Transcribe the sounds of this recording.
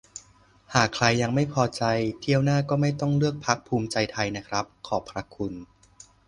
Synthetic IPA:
haː˨˩kʰːɾa˧jːa˧ŋma˥˩jpʰɔː˧t͡ɕa˧jt̪ʰi˥˩əwnaː˥˩kɔː˥˩ma˥˩jt̪ɔ˥˩ŋlɯ˥˩ək̚pʰa˦˥k̚pʰuː˧mt͡ɕa˧jt̪ʰa˧jna˦˥kʰɾa˦˥p̚kʰɔː˨˩pʰɾa˦˥kʰu˧n

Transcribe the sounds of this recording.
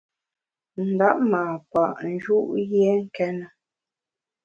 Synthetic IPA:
n̩˨da˦ʔmaː˨pa˨ʔn̩˨˦d͡ʒu˦ʔjjɛ˦ŋ̩˦kɛ˦nə˨

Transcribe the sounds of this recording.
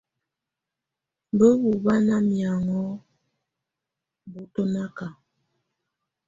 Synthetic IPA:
bə˦bu˨ba˦na˦mja˨ŋɔ˦ | bu˨to˦na˦ka˨

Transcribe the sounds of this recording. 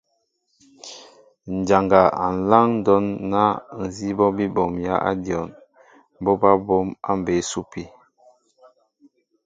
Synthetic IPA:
n̩˨d͡ʒa˨ŋɡa˨a̰˨n̩˨la˦ŋn̩˦dɔ˦nːa˦n̩˨zi˦bɔ˦bi˦bɔ˨mja̰˦ʔa̰˦djɔ˨n˦ | bo˦ba˦bo˦ma˦m˨be˨˦su˦pi˨

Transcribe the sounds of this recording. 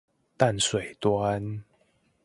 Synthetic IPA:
t̪a˥˨nswe˨˩ɪt̪wa˦n

